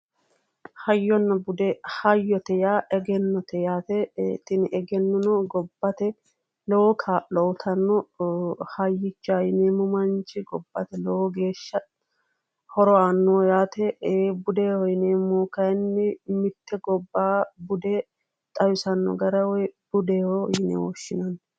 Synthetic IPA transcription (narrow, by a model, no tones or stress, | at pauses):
hɐjːɔnːɐbʊd̪ɛhɐjːɔt̪ɛjaːʔɛɡɛnːɔt̪ʰɛjaːt̪ɛt̪ːɪnʔɛɡɛnːɔnɔɡɔbːɐt̪ɛ | lɔwɔkʰaːʔɔwt̪ʰɐnːɔ | hɐjːɪt͡ʃːaːjɪneːmʊmɐnt͡ʃɪɡɔb̥ːɐt̪ɛlɛwɔɡe̞ːʃːɐ | hɔɾɔaːnːɔjaːt̪ɛbʊd̪ehɔjɪneːmoːkɐjnːɪmɪt̪ːɛɡɔbːaːbʊd̪ɛ | t̪ʼɐjʊsɐnːɔ̰ɡɐɾɐwɔjb̥ʊd̪eːhɔjɪnḛwɔ̰ʃːɪnɐn